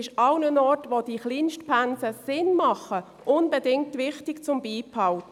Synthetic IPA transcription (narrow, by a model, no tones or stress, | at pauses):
ɪʃɑʊnənɔrtʋod̥iːχlinʃtpʰænsəsɪnmɑχːə | ʔʊnbədɪŋk̚tːʋɪχtɪkt͡sʊmbiːpʰːɑʊ